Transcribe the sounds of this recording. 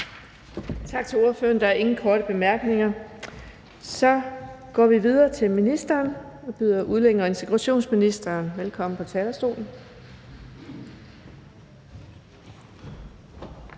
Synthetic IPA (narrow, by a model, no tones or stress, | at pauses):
t͡sʰɑ̈ɡ̥̚t͡sʰe̝lo̝ɐføɐnd̥ɑ̈æɐe̝ŋn̩kʰɒːɾəb̥e̝mæɐɡ̥ne̝ŋɐ | sɒ̽ɡ̥ɒ̰ːʋiʋið̞ˠɐːt͡sʰe̝lminisd̥ɐːnɒ̽b̥yð̰ˠɐʔuð̞ˠleŋ̰ɐe̝nt͡sʰe̝ɡ̥ʁɑ̈ɕo̝̰ːnsminisd̥ɐːnʋelkʰɒ̽m̰n̩pʰɒ̽t͡sʰɛːd̥ɐsd̥o̝̰ːln̩